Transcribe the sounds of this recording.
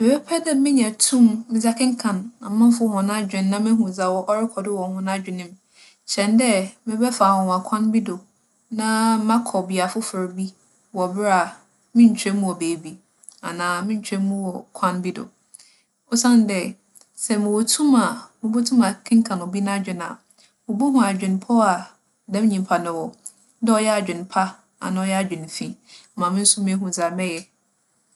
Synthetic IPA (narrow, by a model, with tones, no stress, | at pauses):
mɪ˨bɛ˦pʰɛ˦dɛ˦mɪ̃˦ɲɛ̃˨tʰũ˦˨mmɪ̃˨za˦kʰɪ̃˦ŋ̩˦kʰã˨nã˨˦mã˦m˦fʊ˦hʊ̃˨nã˦d͡ʑᶣɪ̃˨nː˦ã˦mɪ̃˦ɦũ˨za˨wɔ˦ʔɔ˦ɾɪ˦kʰɔ˨dɪ˦wɔ˨hʊ̃˦nã˦d͡ʑᶣɪ˨nɪ̃˦m | ɕɛ̃˨n˦dɛ˦mɪ̃˦bɛ˦fa˨wɔ̃˨n˨a˨kʷʰã˦nbi˦do˨ | nã˦mã˦kʰɔ˨bɪ˨a˨fʊ˦fʊ˨ɾbi˦ | wɔ˨bɪ˦a˨ | mɪ̃˦ɲ̩˨t͡ɕʰᶣɛ˦mũ˦ɔ˨beː˨bi˦ | a˨nãː˨˦mɪ̃˦ɲ̩˦t͡ɕʰᶣɛ˦mũ˦wɔ˨kʰã˦nbi˦dɔ̰˨ | o˦sã˦n˨dɛ˨ | sɛ˦˨mʊ̃˨wo˨tʰũ˦ma˨mʊ̃˨bo˦tʰũ˦mã˨kʰɪ̃˦ŋ˦kʰã˨nʊ̃˨bi˦nã˦d͡ʑᶣɪ˨nã̰˨ | mʊ̃˨bo˦ɦũ˨a˨d͡ʑᶣɪ̃˨npʰɔ˦a˨ | dɛ˦m̃˦ɲĩ˨m˨pʰa˨nʊ̃˨wɔ˨ | dɛ˦ɔ˦jɛ˦a˨d͡ʑᶣɪ̃˨npʰa˦ | a̰˨nã˨ɔ˦jɛ˦a˨d͡ʑᶣɪ̃˨n˨fĩ˦mã˨mɪ̃˦n̩˦sʊ˦mɪ̃˦ɦũ˨sa˨mɛ̃˦jɛ˦